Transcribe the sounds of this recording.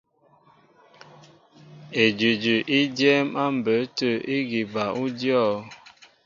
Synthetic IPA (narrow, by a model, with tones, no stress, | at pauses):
e˨d͡ʒʉ˨d͡ʒʉ˨ʔi˦d͡ʒjɛ˦ma˦m̩˨bə˨˦tə˦˨i˦ɡi˨ba˨ʔu˦djɔ˦˨˦